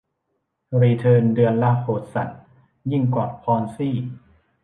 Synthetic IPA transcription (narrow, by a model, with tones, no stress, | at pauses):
ɾiː˧t̪ʰɤː˧ndɯ˧ənla˦˧˥khoː˨˩t̪̚sa˨˩t̪̚ | ji˥˩ŋkwɔː˨˩pʰɔː˧nsiː˥˩